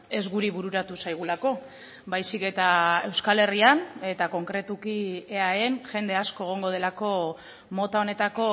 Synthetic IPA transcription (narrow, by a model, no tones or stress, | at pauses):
e̞zɣuɾiβuɾuɾat̪usajɣ̞ulako̞ | bajsike̞t̪ae̞wskale̞riane̞t̪ako̞ŋkɾe̞t̪ukieaenʝe̞nd̪e̞asko̞e̞ɣ̞o̞ŋɡo̞ð̞e̞lako̞ | mo̞t̪ao̞ne̞t̪ako̞